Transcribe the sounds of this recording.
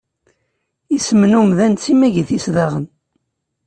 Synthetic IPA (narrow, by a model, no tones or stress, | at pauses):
isəmənumðænt͡simæʝiθisðaʁən